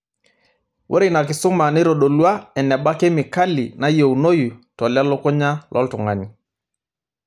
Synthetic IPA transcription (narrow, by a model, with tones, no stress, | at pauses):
wʔo̰˦ɾɪ˨na˨kɪ˨sʊ˦ma˨nɪ˦ɾo˨ɗo˨lwa˦ɛ˨nɛ˨ɓa˦ke˦mɪ˨ka˦lɪ˨na˦jo˨wno˦ju˨tɔ˨lja˦lɔ˦kʊ˦ɲa˦lʔɔ̰˦ltʊ˨ŋa˨ɲi˨